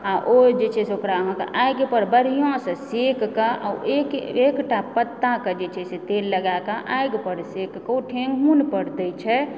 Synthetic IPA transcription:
aʔod͡ʒet͡ʃʰɛseokɾaɦãka̰ʔajɡpəɾbəɾijõsə̃sekkaʔa̰ekekʈapət̪ːakad͡ʒet͡ʃʰɛset̪elːəɡakaʔajɡpəɾsekkoʈʰẽŋɡʱunpəɽt̪ɛt͡ʃʰɛ

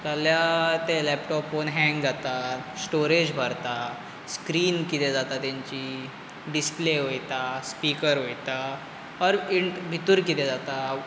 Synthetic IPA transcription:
t̪aljat̪elɛpʈɔpːonɦɛ̃ŋɡd͡zat̪asʈoɾed͡ʑbʱəɾt̪a | skɾiːnkit̪ed͡zat̪at̪jãɲt͡ɕiː | ɖispleɦojt̪aspikəɾɦojt̪a | əɾiɳʈbʱit̪uɾkit̪ed͡zat̪a

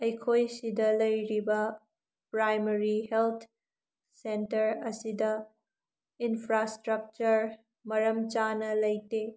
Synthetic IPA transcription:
ɐjkʰojsidɐlɐjɾibɐ | pɾajmɐɾiɦelt̪ʰ | sentɐɾɐsidɐ | inpʰɾastɾɐk̚t͡ʃɐɾ | mɐɾɐmt͡ʃanɐlɐjte

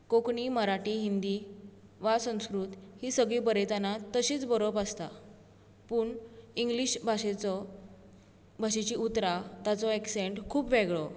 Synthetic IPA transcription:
kokɳiːməɾaʈiːɦind̪i | ʋasə̃w̃skɾut̪hisəɡɭiːpəɾet̪anat̪əɕiːt͡sbəɾobəst̪a | puːɳiŋɡliɕbʱaɕet͡sɔ | bʱaɕet͡ɕiːut̪ɾat̪at͡sɔekseɳʈkʰuːpʋeɡɭɔ

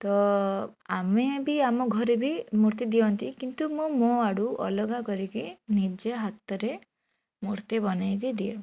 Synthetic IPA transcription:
t̪ɔ | amebiamɔɡʱɔɾebimuɾt̪id̪ijɔnt̪ikint̪umũmõaɽuʔɔ̰lɔɡakɔɾikinid͡ʒeɦat̪ɔɾe | muɾt̪ibɔnajkid̪ie

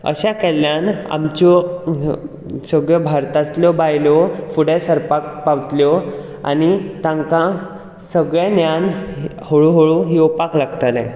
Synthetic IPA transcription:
ə̰ɕakɛljana̰mt͡ɕɔ | səɡɭjəbʱaɾt̪at̪ljɔbajlɔfuɽesəɾpak̚paʋt̪ljɔ | a̰nit̪ãŋkã | səɡɭjanjanhoɭuɦoɭuɦjɔpaklaɡt̪alɛ̰̃

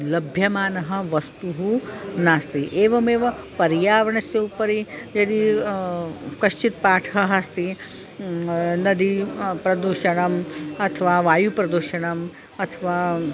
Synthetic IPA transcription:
lɐbʱjɐmaːnɐɦɐ̆ʋɐst̪uɦunaːst̪iʔeːʋɐmeːʋɐpɐɾjaːʋɐɳɐsjɐupɐɾijɐd̪i | kɐʃt͡ʃit̪̚paːʈʰɦɐɦɐst̪i | nɐd̪ipɾɐd̪uʃɐɳɐmɐt̪ʰɐʋaːʋaːjupɾɐd̪uɾʃɐɳɐm | ɐt̪ʰɐʋaː

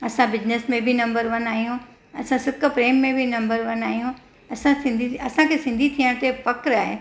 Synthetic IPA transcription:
ɐsãbɪd͡ʑnesmẽbʱinɐ̃mbəɾʋɐnaːɦijũ | ɐsãsɪkpɾeːmːẽbʱɪnɐ̃mbəɾʋɐnaːɦijũ | ɐsãsɪ̃nd̪ʱiɐsãkʰeːsɪ̃nd̪ʱit̪ʰiə̃ɽ̃t̪efɐkɾaːɦḛ

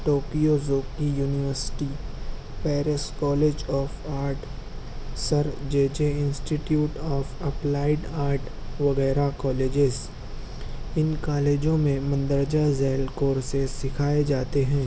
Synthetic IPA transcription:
ʈoːkijozoːkijuːnɪʋəɾsɪ̥ʈi | pɛːɾɪskɔːleːd͡ʒɔːfaːɾʈ | sɐɾd͡ʒeːd͡ʒeɪ̃nsʈiʈjuːʈɔːfɐplaːɪɖaːɾʈ | ʋɐɣɛːɾakɔːleːd͡ʒɪz | ɪnkaːleːd͡ʒõmẽmɐ̃nd̪əɾd͡ʒazɛːlkoːɾsesɪkʰaːed͡ʒaːt̪eɦɛ̃ː

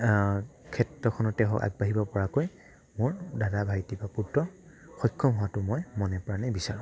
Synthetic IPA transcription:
kʰɛtɹɔkʰɔnɔtɛɦɔ̰ka̰ɡ̚baɦibɔpɔɹakoj | mʊɹdadabʱajtibapuɹtɔ | xɔjkʰːɔmɦɔwatʊmɔjmɔnɛpɔɹanɛbisaɹʊ̃

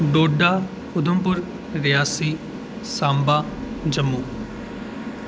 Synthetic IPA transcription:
ɖoːɖaː | xʊd̪əmpʊɾ | ɾɪjaːsiː | sãːmbaː | d͡ʒəmːuː

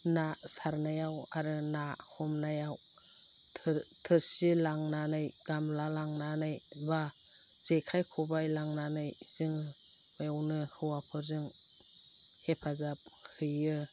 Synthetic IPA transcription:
nasaɾnajawaɾɯnahɔmnajawʰ | tʰɯɾsilaŋnanɯjɡamlalaŋnanɯjba | z̥ekʰajkʰubajlaŋnanɯjz̥iŋ | ajawnɯhɯwapʰɯɾzɯŋ | hepʰazap̚hɯjɯ

